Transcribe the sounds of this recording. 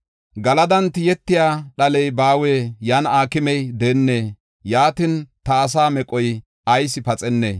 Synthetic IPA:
ɡɐlɐd̪ɐnt̪ːɪjɛt̪ːɪjaːɗɐlɛjbaːweːjanaːkɪmɛjd̪eːnːeː | jaːt̪ɪnt̪ɐːs̬aːmɛkʼɔj | ʔɐjsɪpɐt͡sʼɛnːḛː

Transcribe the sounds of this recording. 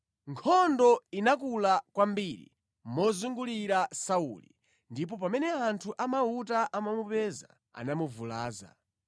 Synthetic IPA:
ŋkʰɔndɔinak̬ulakwambiɾḭ | mɔzuŋɡuliɾasaulḭ | ndip̬ɔpamɛnɛantʰuʔamautaʔamamupɛza̰ | a̰namuvula̰ːza̰

